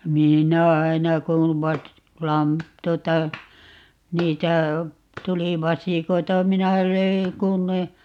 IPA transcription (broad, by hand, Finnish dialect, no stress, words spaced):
minæ ɑinɑ kuʋ ʋɑs lɑm tuotɑ niːtæ tuli ʋɑsiˑkoitɑ minæ løi kun ne